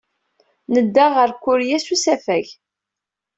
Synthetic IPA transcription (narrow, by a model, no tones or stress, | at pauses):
nəd̪ːaʁəɾkʷːʊɾjæsusæfæʝ